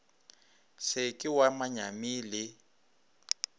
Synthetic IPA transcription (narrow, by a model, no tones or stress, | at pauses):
sɪkʼɪwamaɲamilɪ